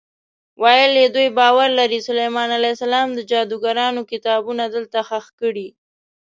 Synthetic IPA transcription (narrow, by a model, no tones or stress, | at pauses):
wɑjəljed̪ujbɑwaɾlaɾisʊlajmɑnalajsalɑmd̪əd͡ʒɑd̪uɡaɾɑnokɪt̪ɑbunad̪əlt̪axaxkəɽi